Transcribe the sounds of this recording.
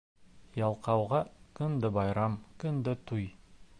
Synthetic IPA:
jɑlˠqɑwʁɑkɵ̆nd̪ɘbɑjɾɑmkɵ̆nd̪ɘt̪uj

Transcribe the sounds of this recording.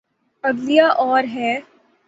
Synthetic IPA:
ɐɡlijaʔɔːɾɦɛː

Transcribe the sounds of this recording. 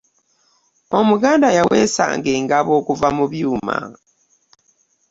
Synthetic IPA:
o̞muɡaːndajawe̞ːsa̰ːŋɡe̞ːŋɡaβo̞ːkuvamuβjuːma̰

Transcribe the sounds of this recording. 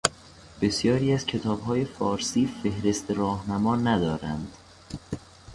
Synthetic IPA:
b̥e̞sjɒːɾiːæzcʰe̞t̪ʰɒːbɦɒːje̞fɒːɾsiːfe̞hɾe̞st̪eɾɒːhnæmɒːnæd̪ɒːɾæ̰nd̪̥

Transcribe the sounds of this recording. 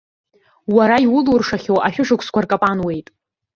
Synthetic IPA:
waɾaiwʊlurʂaχʲowʔaʃᶣʊʂɨkʷʰskʷʰarkʼapʼanwe̞jtʼ

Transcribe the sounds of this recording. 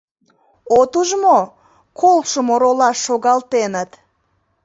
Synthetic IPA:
ot̪uʒmo | kʰolʃəmoɾolɑʃːoɣɑlt̪enət̪

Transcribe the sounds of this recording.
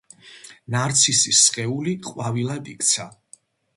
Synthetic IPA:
naɾt̪sʰisisχʼɛuliqʼwavilad̪ʼikʰʼt̪sʰa

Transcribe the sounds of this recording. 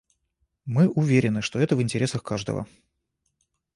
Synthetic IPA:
mɨʔʊvʲeɾʲɪnɨʂt̪o̞ɛt̪əvɨnʲtʲɪɾʲe̞səxkaʐd̪ə̰və̰

